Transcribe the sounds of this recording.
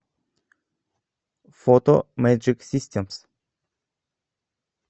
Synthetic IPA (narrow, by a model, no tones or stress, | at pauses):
fot̪omɛd͡ʒiksist̪ʲems